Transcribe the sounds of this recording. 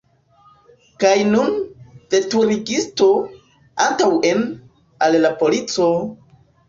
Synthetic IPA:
kajnund̥e̞tuɾiɡisto̞ | antawe̞n | allapo̞lit͡so̞

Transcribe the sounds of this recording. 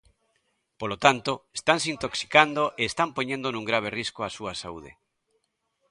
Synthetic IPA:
polot̪ant̪oest̪ans̬int̪oksi̥kand̪oʔeːst̪ampoɲẽnd̪onũŋɡɾaβ̞eriskoasuasaṵðḛ

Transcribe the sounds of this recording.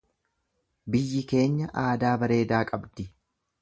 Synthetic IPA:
bɪjːɪke̞ːɲːɐʔaːd̪aːbɐɾe̞ːd̪aːkʼɐbd̪ɪ

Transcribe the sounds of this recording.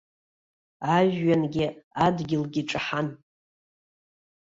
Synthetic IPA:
aʒːanɡʲɪadɡʲɪlɡʲiʈ͡ʂʼaħan

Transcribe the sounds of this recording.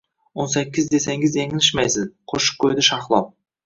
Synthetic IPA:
wonsækʲːɪzd̪e̞seŋɪzeŋɪnɪʃmæjsɪzqʰoʃʊ̥q̚kʲʰːɵjd̪ɪʃɑqlˠɑ̰w

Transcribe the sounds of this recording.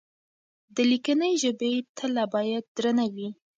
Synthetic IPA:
d̪əlikənəjʒəbet̪ʰəlːabɑjad̪̚ːɾənawi

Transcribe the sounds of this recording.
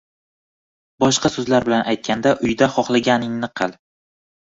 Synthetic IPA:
bɒʃqɑsɵzlaɾbɪlanʔajt̪̚kʲand̪aʔʊjd̪aχɒχlˠaɡʲanɪŋnɪqʰɨlˠ

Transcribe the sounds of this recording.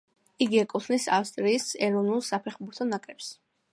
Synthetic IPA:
iɡiɛkʼut̪ʰnisafst̪ʼɾiːsɛɾɔvnulˠsapʰɛχbuɾt̪ʰɔnakʼɛps

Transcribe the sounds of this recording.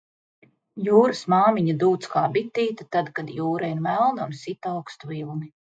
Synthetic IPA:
juːɾɨsmaːmiɲad̪uːt̪skaːbit̪ːiːt̪at̪ad̪kad̪juːɾaiɾmælˠnunsit̪awkst̪uvilˠni

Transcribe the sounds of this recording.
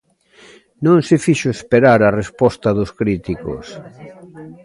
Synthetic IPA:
nõŋsɪfiʃʊespeɾaɾɐrespɔst̪ɐðʊskɾit̪iko̰s

